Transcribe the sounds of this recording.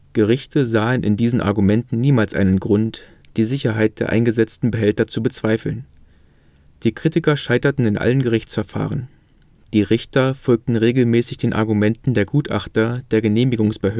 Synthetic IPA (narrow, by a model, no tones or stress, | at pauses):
ɡ̥əʁ̞ɪçtʰəzaːənʔɪ̰ndiːzn̩ʔa̰ɐɡumɛntn̩niːmaːlsʔa̰ɪnənɡʁʊnt | d̥iːzɪçɐɦaɪt̚d̥eːɐʔa̰ɪnɡəzɛt͡stn̩bəɦɛltɐt͡subət͡sv̥aɪfl̩n | d̥iːkʁ̥itɪkɐʃaɪtɐtn̩ɪnʔa̰lənɡəʁ̞ɪçt͡sfɛɐfa̰ːʁ̞ən | d̥iːʁɪçtɐfɔlk̚tn̩ʁeːɡl̩mɛːsɪçd̥eːnʔa̰ɐɡumɛntn̩deːɐɡuːtʔa̰χtɐd̥eːɐɡəneːmɪɡʊŋsb̥əɦøː